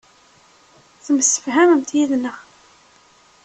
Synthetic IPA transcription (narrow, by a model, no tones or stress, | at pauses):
θəməsːə̥fɦæməmt̪jiðnəʁ